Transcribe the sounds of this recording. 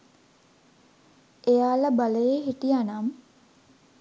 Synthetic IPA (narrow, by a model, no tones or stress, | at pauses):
ejaːləbaləjeɦiʈijanam